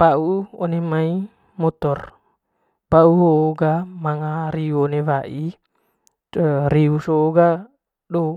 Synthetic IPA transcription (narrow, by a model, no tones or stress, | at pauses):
pauonemai | mɔt̪ɔr | bauɦoɡamaŋaɾiuonewaʔi | riusoɡa | ɗo